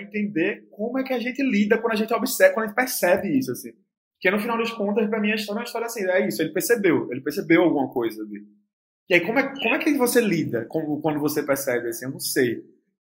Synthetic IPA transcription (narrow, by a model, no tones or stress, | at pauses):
ẽnt̪ẽnd̪eɾkõmʊɛkɪaʒẽnt̪ɪlid̪ɐkwɐ̃d̪ʊaʒẽt̪ɪobɪsɛkw̃d̪ɐẽt̪pɛhsɛbɪisʊasĩ | po̥kenʊfinawd̪ɐʃkõnt̪ɐʃpɾɐmĩɲɐiʃt̪ɔɾnũɐiʃt̪ɔɾjɐasĩɛisʊelɪpeɾsebewelɪpehsebewawɡũmɐkojzɐd̪i | iaikõmʊɛkɪkːõmʊɛkɪvoselid̪ɐkõmʊkwɐ̃nd̪ʊvosepɛɾsɛbɪasĩewnɐ̃w̃sej